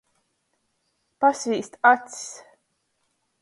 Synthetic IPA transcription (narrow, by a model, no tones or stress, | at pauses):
pasviːst̪at̪si̥s